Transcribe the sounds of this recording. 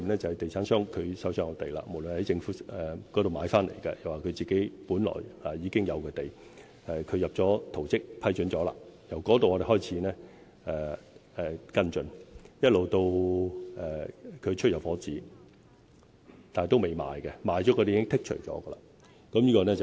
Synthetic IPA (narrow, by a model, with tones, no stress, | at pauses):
nɛː˥t͡sɐ˨hɐ˨˩jt̪e˨jt͡sʰaː˨˥nsœː˥ŋkʰɵ˨˧ɥsɐ˨˥wsœː˧ŋɐ˨˧t̪e˨jla̰ː˧mo˨˩wlɵ˨nhɐ˨˥jt͡sɪ˧ŋfuː˨˥ɛ˨kɔː˨˥ɾo˨wmaː˨˧jfaː˥nlḛ˨˩jkɛ̰˧jɐ˨˩waː˨kʰɵ˨˧ɥt͡siː˨ke˨˥jpuː˨˥nlɔ̰ː˨˩ja˨jiː˨˧kɪ˥ŋjɐ˨˧wkɐ˧t̪e˨j | ɛ˨˩kʰɵ˨˧ɥjɐ˨p̚t͡sɔː˨˥t̪ʰo˨˩wt͡sɪ˥k̚pʰɐ˥jt͡ʃɵ˨˥nt͡sɔː˨˥la̰ː˧jɐ˨˩wkɔː˨˥t̪o˨wɔ˨˧ɾe˨˩ɦɔː˥jt͡sʰiː˨˥nɛː˥ | ɛː˨ɛː˨kɐ˥nt͡ʃɵ˧njɐ˥t̚lo˨wt̪o˧wʔɛː˨˩kʰɵ˨˧ɥt͡ʃʰɵ˥jɐ˨˩wfɔː˨˥t͡siː˨˥ | t̪aː˨nht̪o˥wme˨˩jma̰ː˨jkɛ˧maː˨˧jt͡ʃɔː˨˥kɔ˧de˨˦kɪ˥ŋt̪ʰɪ˥k̚t͡ʃʰɵ̰˨˩t͡sɔ̰ː˨˦˥ɡə˧la̰ː˧ | kɐ˨˥mjiː˥kɔː˧nɛ˥t͡s